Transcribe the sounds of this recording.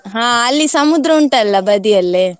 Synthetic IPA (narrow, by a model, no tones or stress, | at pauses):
ɦãːɐlːisɐmud̪ɾɐuɳʈɐɐlːɐbɐd̪ijɐlːe